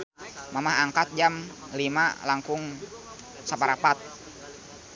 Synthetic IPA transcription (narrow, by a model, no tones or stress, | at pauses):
mamaɦaŋkat̪̚d͡ʒam | lima̰laŋkʊŋ | sapaɾapat̪̚